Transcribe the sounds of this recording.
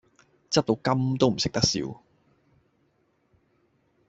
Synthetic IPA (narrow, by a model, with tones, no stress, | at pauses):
t͡sɐ˥p̚t̪o˧wkɐ˥mt̪o˥wm̩˨˩sɪ˨k̚t̪ɐ˥k̚sḭː˨˥w